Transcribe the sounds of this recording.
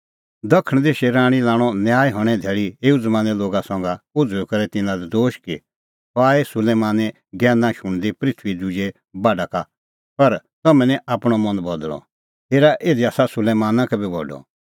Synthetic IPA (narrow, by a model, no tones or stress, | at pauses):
d̪ɐkʰəɽ̃d̪eːʃɛɾãːɽ̃ilaːɽ̃ɔnjaːjɦɔɽ̃ɛ̃d̪ʱeːɭieːud͡zmaːnɛloːɡasɔ̃ːŋɡaʊd͡zʱekɐɾɛt̪ɪ̃nãlɛd̪oːʃki | taːesʊleːmaːnɛ | ɡɛːnãʃʊɽ̃d̪ipɾɪt̪ʰʋid͡zud͡ʒe | baːɖaka | pɐɾt̪ɐmɛ̃nɛ̃ʔaːpɽ̃ɔmɐ̃nbɐd̪ɭɔ̰ | ɦeːɾaʔeːd̪iaːsasʊleːmaːnãkɛbʱibʱɔ̰ɖɔ̰